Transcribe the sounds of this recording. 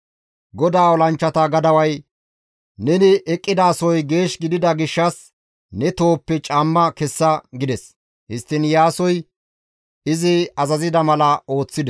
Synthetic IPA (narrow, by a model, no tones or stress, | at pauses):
ɡɔd̪aːwɔlɐnt͡ʃːɐt̪ɐɡɐd̪ɐwɐj | nɛnɪʔɛkʼːɪd̪aːsɔjɡe̞ːʃɡɪd̪ɪd̪ɐɡɪʃːɐs | nɛt̪o̞ːpːɛt͡ʃʼɐmːɐkɛsːɐɡɪd̪ɛs | hɪst̪ːɪnjaːsɔj | ɪzɪɐzɐzɪd̪ɐmɐlɐo̞ːt͡sːɪd̪ɛ